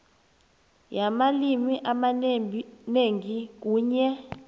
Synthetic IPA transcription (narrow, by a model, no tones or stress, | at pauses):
jamalimiʔama | neŋik̬uːɲɛ